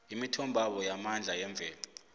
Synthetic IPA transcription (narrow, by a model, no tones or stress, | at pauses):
imitʰɔmbʱaɓɔjamand͡ɮʱajɛɱb̪vʱɛːla